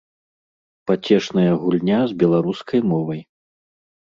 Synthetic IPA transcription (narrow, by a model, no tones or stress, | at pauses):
pat͡sʲɛʂnɐjɐɣulʲnʲazbʲɛlˠaɾuskʰɐjmɔvɐj